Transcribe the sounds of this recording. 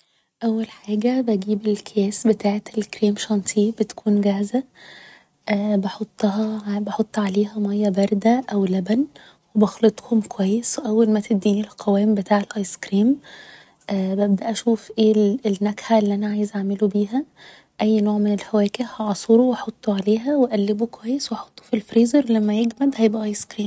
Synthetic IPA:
ʔæwːælħaːɡæbæɡiːbelkʰjæːsbet̪aːʕet̪elkɾiːmʃɑnt̪ˤʰiːbet̪kʰuːnɡæhzæ | ʔæbeħot̪ˤːɑhɑbeħot̪ˤːʕaleːhæmɑjːæbɑɾˤd̪æʔæwlæbæn | webɑxlet̪ˤhomkwæjːesweʔæwːælmæt̪ebd̪ːiːnilqʰɑwæːmbet̪ʰaːʕelʔɑjskɾiːm | ʔæbæb̚d̪æʔæʃuːfʔeːlenːækħaelːiʔænæʕaːjezʕaʕmelubiːɦæ | ʔæjːnoːʕmenelfæwæːkehhɑʕɑsˤɾowɑħɑt̪ˤːoʕaleːɦæweʔælːebokowæjːesweʔɑħo̥t̪ˤːo̥filfɾiːzɑɾlæmːæjeɡmæd̪hæjebʔæʔɑjskɾiːm

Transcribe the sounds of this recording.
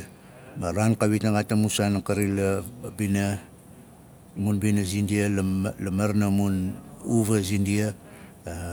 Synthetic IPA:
maɾankaβitnaɡatamusanakaɾilabina | munbinazindiallamaɾnamunuβazindia

